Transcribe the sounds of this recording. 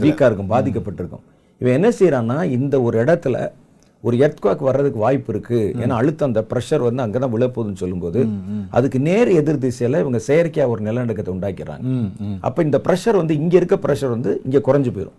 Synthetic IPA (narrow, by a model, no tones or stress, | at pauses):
ʋiːkːaːɪɾɯkːɯ̃mbaːðɪk̬ːɐpːɐʈːɪɾɯkːɯ̰̃m | ɪʋɐ̃ɛnːɐsɛjɪɾãːnːaːɪnd̪ɐɔɾɯɛɽɐt̪ːɪlɐ̰ | ɔɾɯɛɾt̪ɯkʋaːkːɯʋɐɾːɐðɯkːɯʋaːjpːɪɾɯkːɯḛːnːaːɐɻɯt̪ːɐnd̪ɐpɪɾɐʂɐɾʋɐnd̪ɯɐŋɡeːt̪ãːʋɪɭɐpːoːðɯnːɯsɔlːɯmpoːðɯʔɐ̰ðɯkːɯneːɾɯɛðɯɾd̪isɐjɐlɐɪʋɐŋɡɐsɛjɐɾkːɐjaːɔɾɯnɪlɐnɐɽɐkːɐt̪ːɛʊɳɖaːkɪɾa̰ːŋɡɐʔɐ̰pːoːɪnd̪ɐpɪɾɐʂɐɾʋɐnd̪ɯɪŋɡeːɪɾɯkːɐpɪɾɐʂɐɾʋɐnd̪ɯɪŋɡeːkʊɾɐɲd͡ʒɯpoːjɪɾʊ̰̃